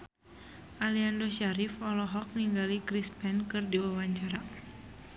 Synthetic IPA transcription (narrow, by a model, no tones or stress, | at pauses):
ʔaliandoʃaɾifɔlɔɦɔk̚niŋɡalikɾispɛnkɨrdiwawaɲt͡ʃaɾa